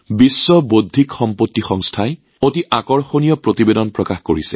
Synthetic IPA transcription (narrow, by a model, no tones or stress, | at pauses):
bisːɔbodʱːikxɔmpotːixɔŋstʰae | otiʔakɔɹxonijɔpɹotibedɔnpɹɔkaxkoɹisɛ̥